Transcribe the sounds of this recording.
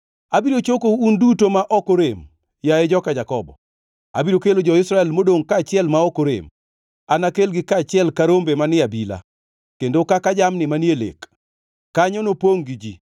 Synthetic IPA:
abiɾot͡ʃokoundutomaʔɔkoɾem | jaed͡ʒɔkad͡ʒakɔbɔ̰ | a̰biɾokelod͡ʒɔɪsɾaɛlmodoŋkaːt͡ʃɪɛlmaɔkoɾḛm | anakelɡɪkat͡ʃɪɛlkaɾombemanɪabila̰ | kendokakad͡ʒamnɪmanjelḛkː | aɲɔnopoŋɡid͡ʒi

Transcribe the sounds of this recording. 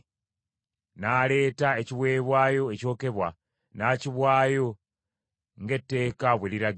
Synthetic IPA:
naːle̞ːtae̞ciβwe̞ːβwaːjo̞eco̞ːke̞βwa | naːciβwaːjo̞ | ŋɡe̞tːe̞ːkaβwe̞liɾa

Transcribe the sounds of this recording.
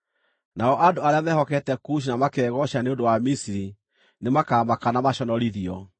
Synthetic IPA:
naɔʔadoaɾeamɛhɔkɛtɛkuʃ̬inamakɛːɣɔʃaneodowamisiɾi | nemakaːmakanamaʃɔnɔɾiðiɔ

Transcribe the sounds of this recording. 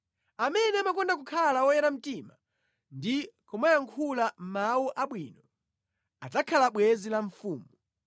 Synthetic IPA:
amɛnɛamakɔndak̬ukʰalawɔjɛɾam̩tima | ndikʰɔmajaŋkʰulam̩mawuʔaɓwiːnɔ | atakʰalaɓwɛzilaɱfuːmu

